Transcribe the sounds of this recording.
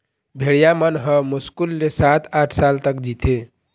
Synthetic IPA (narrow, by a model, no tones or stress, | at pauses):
bʱeɽijamənɦəmuskulːesat̪ʰaʈʰsalt̪əkd͡ʒit̪ʰe